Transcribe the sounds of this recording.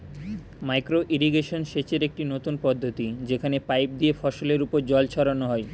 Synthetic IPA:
majkɾoʔiɾiɡeʃonʃet͡ɕeɾek̚ʈinot̪unpɔd̪ʱːot̪id͡ʑekʰanepajp̚d̪iefɔʃoleɾupoɾd͡ʑɔlt͡ɕʰɔɾanoɦɔe

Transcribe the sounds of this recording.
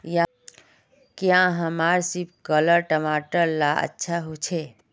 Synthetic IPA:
ja | kjãɦəmaːɾsip̚kələɾʈəmaːʈəɾlaə̰tːʃʰaɦot͡ʃʰe

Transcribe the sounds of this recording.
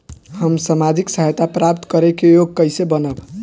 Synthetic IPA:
həmsamad͡ʒiksəɦəjt̪apɾap̚t̪kəɾekejoɡ̚kəjsebənəb

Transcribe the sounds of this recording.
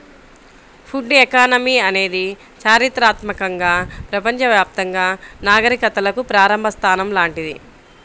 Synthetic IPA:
pʰuɖekaːnɐmiɐne̞ːd̪i | t͡ʃaːɾit̪ɾaːt̪mɐkɐŋɡaːpɾɐpɐɲt͡ʃɐʋjaːp̚t̪ɐŋɡaːnaːɡɐɾikɐt̪ːɐlɐkupɾaːɾɐmbʱɐst̪ʰaːnɐmlaːɳʈid̪i

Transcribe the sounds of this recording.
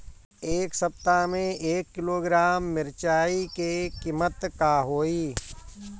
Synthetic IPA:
eːksəp̚t̪amẽeːkːɪloːɡɾaːmːɪɾt͡ʃaːikekimət̪kaɦoːiː

